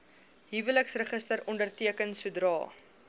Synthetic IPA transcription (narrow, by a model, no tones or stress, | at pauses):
ɦivələksrəχəstəɾɔndərtiəkənsudrɑ̰ː